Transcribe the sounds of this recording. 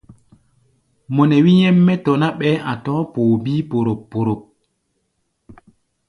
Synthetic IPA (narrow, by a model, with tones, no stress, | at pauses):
mɔ˨nɛ˨wi˦ɲɛ˦mːɛ˦tɔ˨na˦ɓɛ˦ʔa˨tɔː˦poː˨biː˦po˨ɾo˨pːo˨ɾo˨p̚